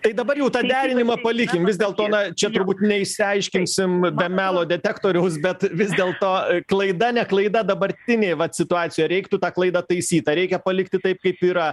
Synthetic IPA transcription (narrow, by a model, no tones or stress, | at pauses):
t̪ɐɪd̪ɐbɐrjɛʊt̪ɑːd̪ʲæːɾʲɪnʲɪmɐpɐlʲɪkʲɪmʋʲɪzʲd̪ʲeːlˠt̪oːnɐt͡ʃʲɛt̪ʊɾbuːt̪nʲɛɪʃʲsʲɪɐɪʃʲkʲɪnsʲɪmbʲɛmʲæːlˠoːd̪ʲɛt̪ʲækt̪oːɾʲɛʊs̬bʲɛt̪ʋʲɪzd̪ʲeːlˠt̪oːklˠɐɪd̪ɐnʲɛklˠɐɪd̪ɐd̪ɐbɐɾʲt̪ʲɪnʲeːʋɐtsʲɪt̪ʊɑːt͡sʲɪjojɾʲɛɪkt̪ʊt̪ɑːklˠɐɪd̪ɐt̪ɐɪsʲiːt̪ɐɾʲɛɪkʲɛpɐlʲɪkt̪ʲɪt̪ɐɪp̚kɐɪpiːɾɐ